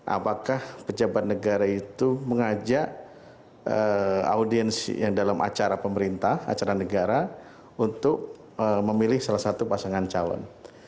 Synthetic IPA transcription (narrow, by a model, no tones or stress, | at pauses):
ʔa̰pakahpəd͡ʒabat̪̚nəɡaɾait̪uməŋad͡ʒaʔ | əa̰udiɛnsjaŋdalamʔa̰t͡ʃaɾapəməɾint̪aha̰t͡ʃaɾanəɡaɾa | unt̪ʊk̚ | əməmilɪhsalahsat̪upasaŋant͡ʃalɔ̰n